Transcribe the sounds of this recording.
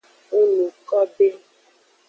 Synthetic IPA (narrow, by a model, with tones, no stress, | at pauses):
u˦nũ˨kɔ˦be˦